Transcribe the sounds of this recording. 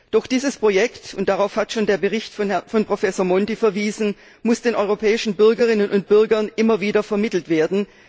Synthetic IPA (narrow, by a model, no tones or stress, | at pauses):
d̥ɔχd̥iːzəspʁ̥ojɛktʊnt̚d̥aʁaʊfhatʃoːndeːɐbəʁɪçtfɔnpʁ̥ofɛsoːɐmɔntifɛɐviːzn̩ | mʊsd̥eːnʔɔʏʁopʰɛːɪʃn̩bʏɐɡəʁ̞ɪnənʊnt̚b̥ʏɐɡɐnʔɪmɐviːdɐfɛɐmɪtl̩tv̥eːɐdn̩